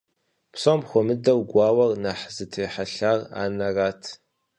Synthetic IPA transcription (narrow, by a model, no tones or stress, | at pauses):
psomxʷɔmɨdɐwɡʷɑːwɐrnaħzɨtʰejħaɬaːʁa̰ːnɐraːtʰ